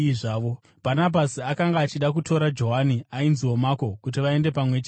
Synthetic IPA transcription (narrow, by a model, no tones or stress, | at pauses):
ʐaːʋo̞ | bʱanabʱasiakaŋɡaːt͡ʃiɗak̬utʰo̞ɾad͡ʒo̞ɦaniainziwo̞mako̞kut̬iʋae̞nde̞pamwe̞t͡ʃe